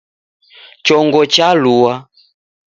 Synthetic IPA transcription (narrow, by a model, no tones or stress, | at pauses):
t͡ʃɔŋɡɔt͡ʃaluwa